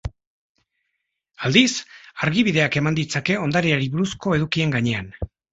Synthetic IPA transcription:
ald̪isaɾɣiβiðe̞ake̞mand̪it͡sake̞o̞nd̪aɾiaɾiβuɾusko̞e̞ðukie̞ŋɡaɲe̞an

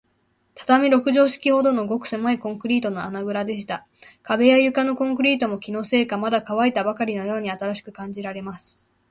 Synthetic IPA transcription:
t̪ʰḁt̪amʲiɾo̞kɯ̟ʑo̞ːɕi̥kʲiho̞d̪o̞no̞ɡo̞kɯ̟̥se̞maikõ̞ŋkɯ̟ɾʲiːt̪o̞no̞anaɡɯ̟ɾad̪e̞ɕ̬i̥t̪a | kabe̞jajɯ̟kano̞kõ̞ŋkɯ̟ɾʲiːt̪o̞mo̞kʲino̞ːse̞ːkamad̪akaβait̪abakaɾʲino̞jo̞ːɲ̟iat̪aɾaɕi̥kɯ̟kãɲ̟d͡ʑiɾaɾe̞masɨ̥

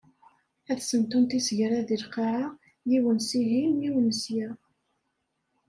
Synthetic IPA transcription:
æθsənt̪unt̪isəʝɾæðilqɑʕa | jiwənsiɦinːiwnəsjæ

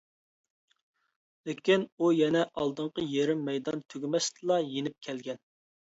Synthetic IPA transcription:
lekʲinujɛnɛʔɑlˠd̪əɴqəjeɾɪmːɛjd̪ɑnt̪ʰøɡʲmɛst̪ɨlˠɑjenɪp̚kʲʰɛlɡʲɛn

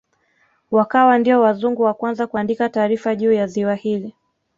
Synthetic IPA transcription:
wakawandiɔwazuŋɡuwakwanzakuandikataːɾifaʄuːjaziwahili

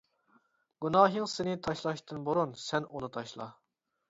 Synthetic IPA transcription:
ɡ̥unɑːɦɨŋsɪnɪt̪ʰɑʃlˠɑʃt̪ʰɨnboɾunsɛnunɨt̪ʰɑʃlˠɑ̰

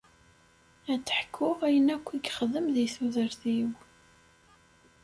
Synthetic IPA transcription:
æt͡sːə̥ħkʰːʊʁæjənækʷːiɡχəðəmðiθuðəɾθiw

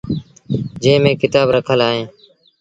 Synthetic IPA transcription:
d͡ʒẽːmẽːkɪt̪aːbɾəkʰəlaːɦẽː

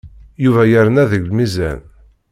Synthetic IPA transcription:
juvæjəɾnæðəɡlmizæ̰n

